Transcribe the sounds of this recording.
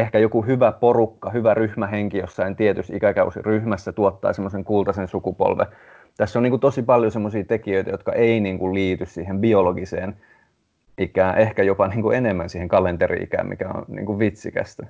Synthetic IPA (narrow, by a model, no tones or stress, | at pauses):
ehkæjokuhyʋæporukːɑhyʋæryhmæɦeŋkijosːɑint̪iet̪yst̪ikækæusḭryhmæsːæt̪uot̪ːɑ̰ːsemːoseŋkult̪ɑsẽnsukupo̰lʋḛ | t̪æsːoniːŋkut̪osipɑljosemːosiːt̪ekiøit̪æjot̪kɑʔeiniːŋkulliːt̪yssiːhembioloɡiseːn | ʔikæːʔehkæjopɑniːŋkuenemːænsiːheŋkɑlent̪erḭḭkæ̰ːmḭkæo̰nnḭːŋkuʋʋit̪sikæ̰st̪